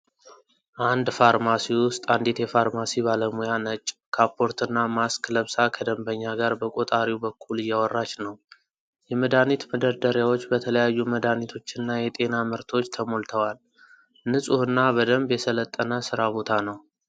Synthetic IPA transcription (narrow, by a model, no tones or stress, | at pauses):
ʔand̪faɾmasiwʊst̪ʼand̪e̞t̪jɛfaɾmasibaləmujanət͡ʃʼːkʰapʰːo̞ɾt̪ʰɨnːamaskʰləβsakʰəd̪əmbəɲːaɡaɾbəkʼot̪ʼaɾiwbəkʰːulɨjːawɔrːat͡ʃnəw | jɛməd̪anit̪məd̪əɾd̪əɾjawo̞t͡ʃːbət̪ʰələjajːuməd̪anit̪ʰo̞t͡ʃːɨnːajɛt̪ʼe̞namɨɾt̪ʰo̞t͡ʃːt̪ʰəmo̞lt̪ʰəwal | nɨsʼuhɨnːabəd̪əmbjɛsələt̪ʼːənəsɨɾaβo̞t̪ʰanəw